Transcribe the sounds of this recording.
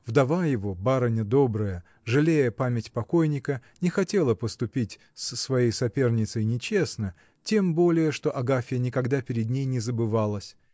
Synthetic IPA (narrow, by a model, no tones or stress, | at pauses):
vd̪ɐvajɪvo̞baɾənʲəd̪o̞bɾəjə | ʐɨlʲejəpamʲɪtʲpɐko̞jnʲɪkənʲɪxɐtʲe̞lˠəpəst̪ʊpʲitʲ | sːvɐjejsɐpʲe̞rnʲɪt̪səjnʲɪt͡ɕe̞snə | tʲe̞mbo̞lʲɪjəʂt̪o̞ʔɐɡafʲɪjənʲɪkɐɡd̪apʲɪɾʲɪd̪nʲejnʲɪzəbɨvalˠəsʲ